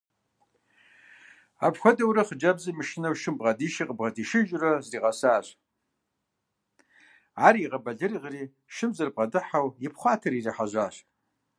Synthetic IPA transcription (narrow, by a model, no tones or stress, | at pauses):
apxʷɐdɐwɾɐχəd͡ʒɐbzɐmɨʃɪnɐwʃɨmbʁɐdiːʃiqʼəbʁɐdiʃɪʒrɐzriːʁɐsaːɕ | aɾiːʁɐbɐɮɨriʁriː | ʃɨbzɐrb̚ʼʁɐdɨħawjɪpʰχʷɑːtʰɐɾiriħaʒʷaːɕ